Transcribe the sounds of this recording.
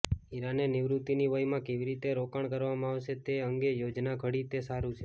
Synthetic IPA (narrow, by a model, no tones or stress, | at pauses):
iɾaneniʋɾut̪iniʋəjmãkeʋiɾit̪eɾokaɳkəɾʋamãːʋʃet̪eəŋɡejod͡ʒnaɡʱəɽit̪esaɾut͡ʃʰe